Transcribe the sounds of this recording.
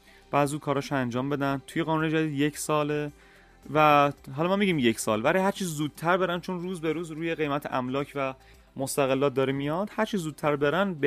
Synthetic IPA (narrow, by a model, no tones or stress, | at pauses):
b̥æːdziuːkʰɒːɾɒːʃænd͡ʒɒːmbe̞d̪ænt̪ʰuje̞ɣɒːnuned͡ʒæd̪iːd̪je̞cʰsɒːle | væɦɒːlɒmɒːmiɟiːmje̞cʰsɒːlvæɾihæɾt͡ʃʰiːzzuːd̪̥̚t̪ʰæɾbeɾænd̪t͡ʃʰonruːzbe̞ɾuːzɾuːjeɣe̞jmæt̪ʰḛʔæmlɒːcʰvæ | most̪æɣelːɒːt̪̚d̪ɒːɾimijɒd̪hæɾt͡ʃʰiːzːuːd̪̚t̪ʰæɾbeɾænb